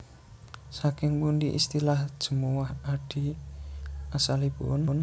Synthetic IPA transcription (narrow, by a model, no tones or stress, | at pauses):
sakɪŋpundiʔḭst̪ilahʒ̥ə̤muwahaɖ̥i | asalib̥uʊnn